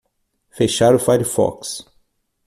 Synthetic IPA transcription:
feʃaɾʊfaɾifɔ̰ks

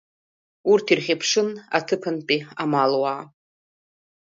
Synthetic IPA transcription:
urtʰirχʲepʰʂɨna̰tʰɨpʰɨnpʼiamalwaː

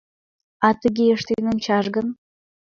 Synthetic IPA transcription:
ɑt̪əɡʲeəʃt̪enə̆nt͡ɕɑʒɡən

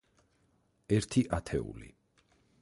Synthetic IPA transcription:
ɛɾt̪ʰiʔat̪ʰɛ̰ṵlḭ

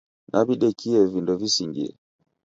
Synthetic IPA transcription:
nʔaβiɗɛkiɛvindɔvisiŋɡḭɛ̰

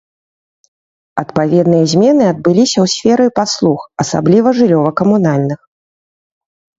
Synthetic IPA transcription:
ɐt̪pavʲɛd̪nɨjɐzʲmʲɛnɨɐd̪̚bɨlʲisʲɐwsʲfʲɛɾɨpaslˠuxɐsa̰blʲivɐʐɨlʲɔvɐkɐmunalʲnɨx

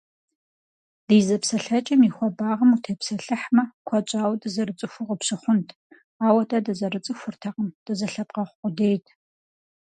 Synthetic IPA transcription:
d̥iːzɐpsɐɬɐt͡ʃʼɐmixʷɔbaːʁɐmutʰeːpsɐɬɨħmɐkʷʰɔt͡ʃʷʼaːwdɨzɐrɨt͡sʼɨxʷʊʁəpɕɨχʷʊntʰ | aːwɐtʰʼɐdɐzɐrɨt͡sʼɨxʷʊrtʰɐqəmd̥ɐzɐɬɐpqɐχʷqʷʼʊdeːjtʰ

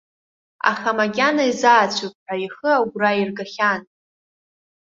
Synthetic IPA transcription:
a̰χamaɡʲanaizaːt͡ɕʷʰupʼħaiχəaɡʷrairɡaχʲan

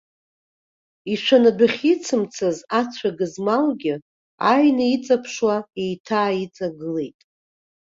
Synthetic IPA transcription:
iʂʷʰanadʷaχʲit͡sʰɨmt͡sʰazat͡sʷʰaɡɨzmalɡʲɪ | ajnɨit͡sʼapʰʂwae̞jtʰaːit͡sʼaɡɨle̞jtʼ

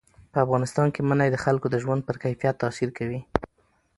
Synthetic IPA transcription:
pəafɣɑnɪst̪ɑnkemanajed̪əxalkod̪əʒwand̪̚pəɾkajfijat̪ːɑsiɾkawi

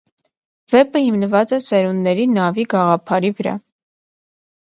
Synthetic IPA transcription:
vɛpəhimnəvɑt͡sɛsɛɾunːɛɾinɑviɡɑʁɑpʰɑɾivəɾɑ̰

